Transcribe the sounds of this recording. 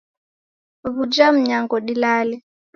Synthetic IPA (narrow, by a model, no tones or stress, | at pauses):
βud͡ʒam̩ɲaŋɡɔɗilalɛ